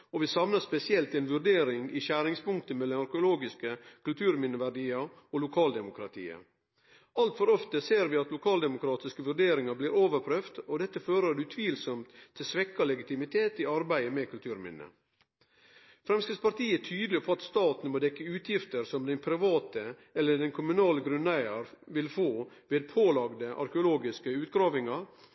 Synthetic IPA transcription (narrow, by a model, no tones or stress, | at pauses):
ɔʋɪsɑmnəspɛsɪɛlt̪ɛnʋʉɾɖeːɾɪŋɪɕæːɾɪŋspʊŋkt̪əmɛlːɑnɑɾkʊloːɡɪskəkʰʉlt̪ʰʉːɾmɪnːəʋæɖiːɑ | olʊkʰɑːld̪ɛmʊkʰɾɑt̪ʰḭːə̰ | ɑlt̪fɔɾɔft̪əseːɾʋɪɑt̪lʊkʰɑːld̪ɛmʊkʰɾɑːt̪ɪskəʋʉɾɖeːɾɪŋɑbliːɾoːʋəɾpʰɾøːft̪ɔd̪ɛt̪ːəføːɾədʉt̪ʰʋiːlsɔmt̪ʰːɪlsʋɛkːɑlɛɡɪt̪ɪmɪt̪ʰeːt̪iɑɾbæɪəmɛkʰʉlt̪ʰʉːɾmɪ̰nːə̰ | fɾɛmskɾɪspʰɑɾt̪iːət̪ʰyːd̪lɪpʰɔɑt̪st̪ɑːt̪n̩moːd̪ɛkːəʉːt̪ʰjɪft̪əɾsɔmd̪ɛɪnpʰɾɪʋɑːt̪ə | ɛlːəɖɛnkʰʊmʉnɑːləɡɾʉnæɪɑɾʋɪlfoːʋeːd̪̚pʰoːlɑɡd̪əʔɑ̰ɾkəʊloːɡɪskəʉːt̪ɡɾɑːʋɪŋɑɾ